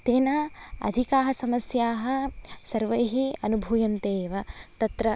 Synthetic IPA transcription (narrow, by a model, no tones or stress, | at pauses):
t̪eːnaːɐ̰d̪ʱikaːɦɐsɐmɐsjaːɦɐ̆sɐɾʋɐjɦiɐnubʱujɐnt̪eːʋɐt̪ɐt̪ɾɐ